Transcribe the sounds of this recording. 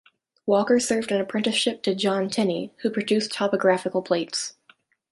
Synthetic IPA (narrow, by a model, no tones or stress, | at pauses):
wɔkə˞sɜ˞vdɨ̃nɨpʰɹ̥ɪ̃ntɨʃɪp̚tʰɨd͡ʒɑ̃ntʰɛnihupʰɹ̥ɨdʉstʰɑpɨɡɹæfɨkl̩ˠpʰl̥eɪts